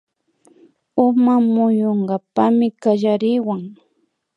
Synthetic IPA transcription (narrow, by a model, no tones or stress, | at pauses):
ʊmamʊjoɴɢapamɪkaʒaɾɪwaŋ